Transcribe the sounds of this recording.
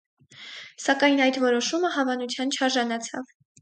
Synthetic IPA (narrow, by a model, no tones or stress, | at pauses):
sɑkɑjnɑjd̪vɔɾɔʃuməɦɑvɑnut͡sʰjɑnt͡ʃʰɑɾʒɑnɑt͡sʰɑ̰v